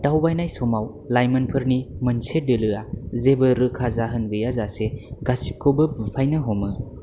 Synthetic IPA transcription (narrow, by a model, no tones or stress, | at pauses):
dawbajnajsɔmaw | lajmɐnpʰɯɾnimɯnsedɯlɯazebɯɾɯkʰazaɦɯnɡɯjazaseɡasi̥kʰɯbɯbɯpʰajnɯɦɔmɯ